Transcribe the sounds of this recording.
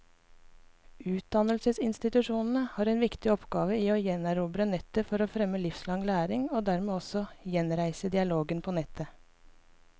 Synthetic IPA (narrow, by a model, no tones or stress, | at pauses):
ʉːt̪̚d̪ɑnəlsəsɪnst̪ɪt̪ʉʂuːnn̩əhɑːɾɛːnʋɪkt̪ɪɔpɡɑːʋəiːoːjɛnæɾuːbɾənɛt̪ːəfɔɾoːfɾɛmːəlɪfslɑŋlæːɾɪŋoːd̪æɾmeːɔsɔjɛnɾæɪsəd̪ɪɑloːɡənpʰoːnɛt̪ʰːə